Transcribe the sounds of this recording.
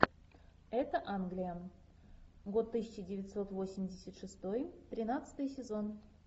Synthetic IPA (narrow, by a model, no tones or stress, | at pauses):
ɛt̪əʔanɡlʲijə | ɡot̪ːɨsʲɪt͡ɕədʲɪvʲɪt̪ʲso̞t̪vo̞sʲɪmʲdʲɪsʲət̪ʂɨst̪ojt̪ɾʲɪnat̪sɨ̥t̪ɨjsʲɪzo̞n